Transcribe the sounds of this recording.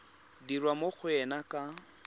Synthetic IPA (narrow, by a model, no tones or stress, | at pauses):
dirwamok͡xʰʊɛnakʼa